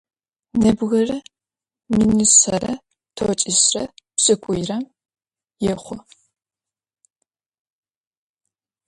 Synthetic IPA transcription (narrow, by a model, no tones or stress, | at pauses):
nɐbɣɐrɐ | minɨsɐɾɐ | tʰot͡ʃʼisrɐpsʼɨkʷʼʊjrɐm | jɛχʷɔ